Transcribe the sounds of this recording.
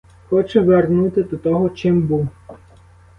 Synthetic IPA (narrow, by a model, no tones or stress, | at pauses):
xɔt͡ʃɛʋernut̪ɪd̪ɔt̪ɔɦɔt͡ʃɪmbuw